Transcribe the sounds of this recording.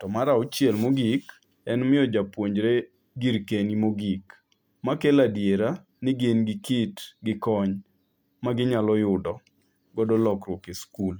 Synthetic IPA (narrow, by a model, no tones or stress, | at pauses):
tɔmaɾaɔt͡ʃjɛlmoɡik | ɛnmɪɔd͡ʒapwoɲd͡ʒɾe | ɡiɾkenimoɡik | makeladjeɾa | nɪɡenɡɪkitɡɪkɔɲ | maɡɪɲalɔjʊdɔ | ɡɔdɔlɔkɾwokeskul